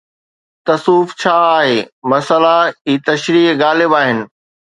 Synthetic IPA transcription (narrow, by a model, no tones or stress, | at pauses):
t̪ɐsuːft͡ɕʰaːɦeːmɐsəlaiːt̪ɐʃɾiːɡaːlɪbaːɦɪnɪ̆